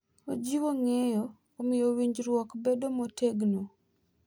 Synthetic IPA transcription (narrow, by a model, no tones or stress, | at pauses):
od͡ʒiwoŋɛjɔː | mɪjowiɲd͡ʒɾwɔkbedomotʰeɡno